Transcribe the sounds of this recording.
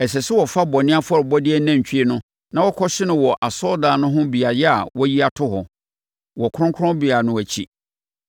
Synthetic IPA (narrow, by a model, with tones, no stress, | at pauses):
ɛ˨sɛ˨sʊ˦wɔ˨fa˦bɔ˨nɪ̃˦a˦fʊ˦ɔ˦ɾɔ˨bɔ˦dɪ˦ɛ˦næ̃˦ɲ˨t͡ɕᶣi˦e˦nʊ̃˦ | nã˨wɔ˦kʰɔ˦ɕɪ˦nʊ̃˨wɔ˨ʔa˨sɔ˦daː˨nʊ̃˦ɦʊ̃˦bi˨a˨jɛ˦a̰˨wɔ˦ji˦a˨tʰʊ˦ɦɔ˨ | wɔ˨kʰʊ˦ʊ̃˦ŋkʰʊ˦ɔ̃˦bi˨a˨nʊ̃˦˨æ˨t͡ɕʰi˦